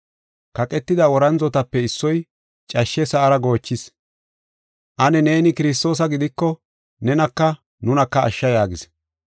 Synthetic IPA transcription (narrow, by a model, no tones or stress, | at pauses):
kɐkʼɛt̪ːɪd̪ɐwɔɾɐnzɔt̪ɐpːɛɪsːɔj | t͡ʃʼɐʃːɛsɐʔɐɾɐɡo̞ːt͡ʃːɪs | ʔɐnɛne̞ːnɪkɪɾɪs̬t̪o̞ːs̬ɐɡɪd̪ɪkːɔ | nɛnɐkːɐ | nʊnɐkːɐɐ̰ʃːɐjaːɡɪs